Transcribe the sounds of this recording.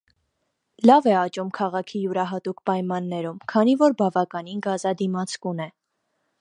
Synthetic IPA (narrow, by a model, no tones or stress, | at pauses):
lɑvɛɑt͡ʃumkʰɑʁɑkʰijuɾɑɦɑt̪ukpɑjmɑnːɛɾumkʰɑnivɔɾbɑvɑkɑninɡɑzɑd̪imɑt͡sʰkunɛ